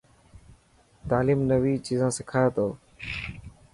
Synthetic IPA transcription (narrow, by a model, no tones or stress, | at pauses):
t̪aːliːmnəʋiːt͡ʃiːzãːsɪkʰaːet̪oː